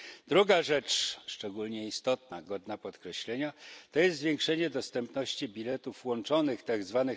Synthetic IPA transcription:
d̪̥ɾuɡaʐɛt͡ʂʂt͡ʂɛɡulɲɛist̪ɔt̪̚naɡɔd̪napɔt̪kɾɛɕlɛɲat̪ɔjɛst̪zvʲjeŋkʂɛɲɛd̪ɔst̪ɛmpn̪ɔɕt͡ɕibʲilɛt̪ufwɔnt͡ʂɔnɘxt̪aɡzvanɘ

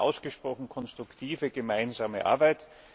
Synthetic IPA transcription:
ʔa̰ʊsɡ̥əʃpʁ̥ɔχn̩kʰɔnstʁ̥ʊktʰiːvəɡəmaɪnzaːməʔa̰ɐbaɪt

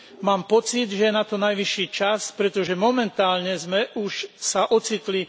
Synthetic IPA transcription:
maːmpɔt͡sid̪ʒɛjɛnat̪ɔnajʋiʃiːt͡ʃaspɾɛt̪ɔʒɛmɔmɛnt̪aːlɲɛzmɛʔuʃsaʔɔt͡sit̪li

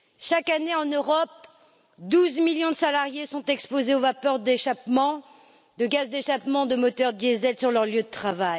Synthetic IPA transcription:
ʃakaneɑ̃nøʁɔp̚ | d̪uzmiljɔ̃d̪əsalaʁjesɔ̃t̪ɛkspozeovapœʁd̪eʃapmɑ̃ | d̪əɡʲazd̪eʃapmɑ̃d̪əmɔt̪œʁd̪jezɛlsyʁlœʁljød̪ət̪χavaj

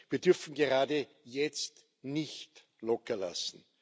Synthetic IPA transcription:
viːɐdʏɐfn̩ɡeʁaːdə | jɛt͡st | nɪçt | lɔkɐla̰sn̩

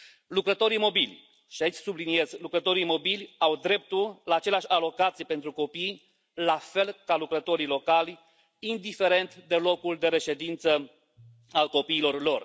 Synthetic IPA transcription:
lukɾət̪o̞ɾimo̞bilʲ | ʃiait͡ʃʲsublinie̞zlukɾət̪o̞ɾimo̞bilʲawd̪ɾe̞p̚t̪ullaːt͡ʃe̞leaʃʲalo̞kat̪sijepe̞nt̪ɾuko̞pij | lafe̞lkalukɾət̪o̞ɾilo̞kalʲ | ind̪ife̞ɾe̞nt̪d̪e̞lo̞kuld̪e̞ɾe̞ʃe̞d̪int̪sə | alko̞piːlo̞rlo̞r

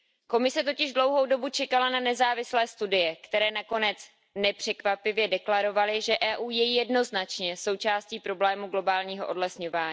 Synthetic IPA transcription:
ko̞mɪsɛt̪o̞cɪʒdlo̞wɦo̞wdo̞but͡ʃɛkalananɛzaːvɪslɛːst̪udɪjɛkt̪ɛɾɛːnako̞nɛt͡s | nɛpr̝̥ɛkvapɪvjɛdɛklaɾo̞valɪʒɛʔɛːʔuːjɛjijɛdno̞znat͡ʃɲɛso̞wt͡ʃaːsciːpɾo̞blɛːmuɡlo̞baːlɲiːɦoʔo̞dlɛsɲo̞vaːɲi

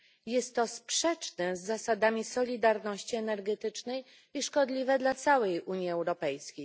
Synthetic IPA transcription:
jɛst̪ːɔspʂɛt͡ʂnɛzːasad̪amʲisɔlʲid̪aɾnɔɕt͡ɕiɛnɛɾɡɛt̪ɘt͡ʂnɛj | iʂkɔd̪lʲivɛd̪lat̪sawɛjʔuɲjiɛwɾɔpɛjskʲej

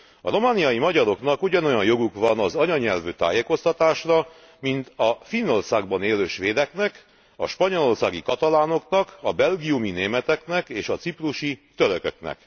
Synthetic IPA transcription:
ɒ̰ro̞maːnijɒjimɒɟɒɾo̞knɒkuɟɒno̞jɒnjo̞ɡukʋɒnɒzɒɲɒɲɛlvøːt̪a̰ːjeːko̞st̪ɒt̪aːʃrɒ | mint̪ɒfinːo̞rsaːɡbɒneːløːʃʋeːd̪ɛknɛk | ɒ̰ʃpɒɲolo̞rsaːɡikɒt̪ɒlaːno̞knɒkɒbɛlɡiumineːmɛt̪ɛknɛkeːʃɒt̪sipruʃit̪øɾøkø̰knɛ̰k

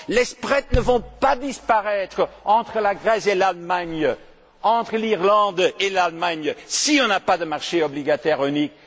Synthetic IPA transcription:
lɛspʁɛt̪nəvɔ̃pad̪ispaʁɛt̪χəɑ̃t̪χəlaɡʁɛselalmaɲ | ɑ̃t̪χəliʁlɑ̃d̪elalmaɲsiɔ̃napad̪əmaʁʃeɔbliɡat̪ɛʁynik

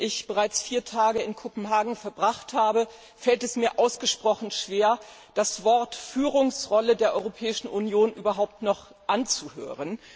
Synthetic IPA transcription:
ʔɪçb̥əʁaɪt͡sfiːɐtʰaːɡəɪnkʰopm̩ɦaːɡŋ̩fɛɐbʁaχthaːbə | fɛltɛsmiːɐʔaʊsɡ̥əʃpʁ̥ɔχn̩ʃv̥eːɐd̥asv̥ɔɐtfyːʁʊŋsʁɔlədeːɐʔɔʏʁopʰɛːɪʃn̩ʔunjoːnʔyːbɐɦaʊp̚tnɔχ | ʔant͡suhø̰ːʁən

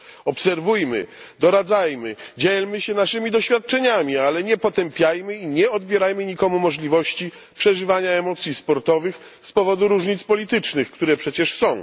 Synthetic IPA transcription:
ɔpsɛɾvujmɘ̰d̪ɔɾad̪zajmɘd͡ʑɛlmɘɕɛnaʂɘmʲid̪ɔɕfʲjat̪̚t͡ʂɛɲamʲialɛɲɛpɔt̪ɛmpʲjajmɘiɲɛɔd̪bʲjɛɾajmɘɲikɔmumɔʐlʲivɔɕt͡ɕi | pʂɛʐɘvaɲaɛmɔt̪sʲjispɔɾt̪ɔvɘx | spɔvɔd̪uɾuʐɲit̪spɔlʲit̪ɘt͡ʂnɘxkt̪uɾɛpʂɛt͡ɕɛʂsɔ̃w̃

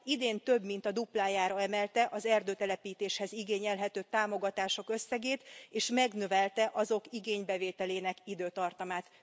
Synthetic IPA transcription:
id̪eːnt̪ø̞bmint̪ɒd̪uplaːjaːɾɒɛmɛlt̪ɛʔɒzɛrd̪øːt̪ɛlɛpiːt̪eːʃhɛziɡeːɲɛlɦɛt̪øːt̪aːmo̞ɡɒt̪aːʃo̞kø̞sːɛɡeːt̪eːʃmɛɡnøvɛlt̪ɛʔɒzo̞kiɡeːɲbɛveːt̪ɛleːnɛkid̪øːt̪ɒrt̪ɒmaːt̪

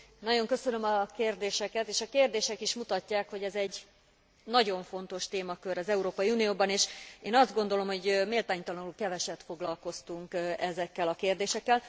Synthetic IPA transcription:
nɒɟo̞ŋkø̞sønø̞mɒkeːrd̪eːʃɛkɛt̪eːʃɒkeːrd̪eːʃɛkiʃmut̪ɒcːaːkho̞ɟɛzɛɟ | nɒɟo̞ɱfo̞nt̪o̞ʃt̪eːmɒkøɾɒzɛuɾoːpɒiunijoːbɒneːʃeːnɒzd̪ɡo̞nd̪o̞lomho̞ɟmeːlt̪aːɲt̪ɒlɒnulkɛvɛʃɛt̪fo̞ɡlɒlko̞st̪uŋkɛzɛkːɛlɒkeːrd̪eːʃɛkːɛl

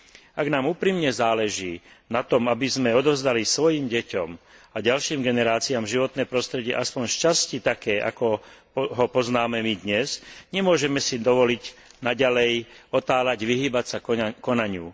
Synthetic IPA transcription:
aɡnaːmuːpɾimɲɛzaːlɛʒiːnat̪ɔmabizmɛɔd̪ɔvzd̪alisʋɔjiːmɟɛcɔ̰maɟalʃiːmɡɛnɛɾaːt͡siaːmʒiʋɔt̪nɛːpɾɔst̪ɾɛɟɪɛ̰ʔaspɔɲʃcascit̪akɛːʔa̰kɔ | ɦɔpɔznaːmɛmid̪ɲɛzɲɛmʊɔʒɛmɛsid̪ɔʋɔliɟnaɟalɛjɔt̪aːlaɟʋiɦiːbacsakɔnaɲuː

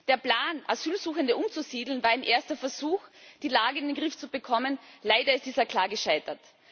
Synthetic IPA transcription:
d̥eːɐpl̥aːnʔazyːlzuːxəndəʔʊmt͡suziːdl̩nvaːɐaɪnʔeːɐstɐfɛɐzuːxd̥iːlaːɡəɪndenɡʁɪft͡subəkʰɔmənlaɪdɐɪst̚d̥iːzɐkʰl̥aːɐɡəʃaɪtɐt

